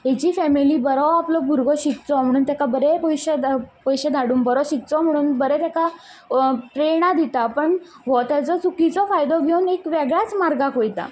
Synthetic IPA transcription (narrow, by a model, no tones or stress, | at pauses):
ɦet͡ɕiːfɛmiliːbəɾɔwaplɔbʱuɾɡʱɔɕik̚t͡sɔm̤əɽ̃uːnt̪jakabəɾepɔjɕəd̪pəjɕed̪ʱaɽuːmbəɾɔɕik̚t͡sɔm̤əɽ̃uːnbəɾɛt̪jaka | ʈɾeɽ̃ad̪ʱit̪apəɳ | ʋɔt̪at͡sɔt͡sukit͡sɔfajd̪ɔɡʱjenekʋeɡɭjat͡smaɾɡakojt̪a̰